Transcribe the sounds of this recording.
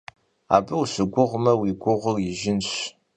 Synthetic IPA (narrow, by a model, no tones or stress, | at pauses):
a̰ːbɐusɨɡʷʊʁmɐwiɡʷʊʁʷərjɪʒɪnɕ